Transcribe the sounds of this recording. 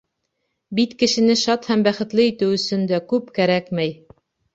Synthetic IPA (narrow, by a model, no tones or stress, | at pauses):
bit̪kɘ̆ʃɘ̆nɘʃɑt̪hæmbæχɘ̆t̪lɘit̪ɘwɵ̆sɵnd̪ækʉpkæɾækmæj